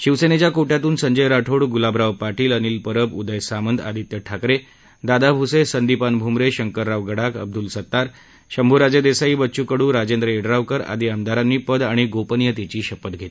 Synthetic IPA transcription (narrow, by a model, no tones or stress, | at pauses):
ɕiʋsenet͡ɕjakoʈjat̪uːnsəɲd͡ʑəjɾaʈʰoɽɡulabɾaʋpaʈiːləniːlpəɾəpud̪əjsamənd̪a̰d̪ʱit̪jəʈʰakɾe | d̪ad̪abʱusesənd̪ipanbʱumɾeɕəŋkəɾːaʋɡəɽakə̰b̚d̪ulsət̪ːaɾ | ɕəmbʱuɾad͡ʑad̪esaiːbətːɕukəɽuːɾad͡ʑend̪ɾəeɽɾaʋkəɾa̰d̪iːamd̪aɾanːiːpəd̪aɽ̃iɡopənjət̪et͡ɕiːɕəpət̪ɡʱet̪i̥